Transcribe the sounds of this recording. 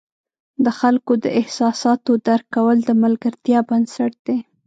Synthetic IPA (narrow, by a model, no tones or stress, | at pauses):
d̪əxalkod̪əʔɪhsɑsɑt̪od̪aɾkːawəld̪əmalɡaɾt̪jɑbansaʈ̚d̪̥e